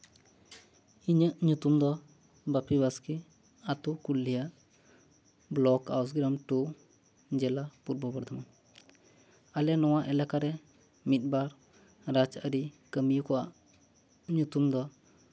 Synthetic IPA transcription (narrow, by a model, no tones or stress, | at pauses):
iɲəʔɲut̪umd̪ɔ | bapibaski | at̪ukulːijaʔ | blɔkaws̬ɡɾamʈu | d͡ʒɛlapuɾbɔbɔɾd̪ʱama | alɛnɔwaʔɛlakaɾɛ | mit̪̚baɾ | ɾad͡ʒəɾikəmijkɔa̰ʔ | ɲut̪umd̪ɔ